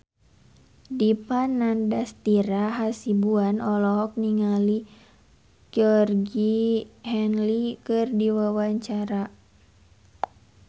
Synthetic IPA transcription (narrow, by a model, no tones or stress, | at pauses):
dipanːandast̪iɾaɦasibuanɔlɔɦɔk̚niŋali | ɡ̥ɔrɡihɛnlikɨrdiwawaɲt͡ʃaɾa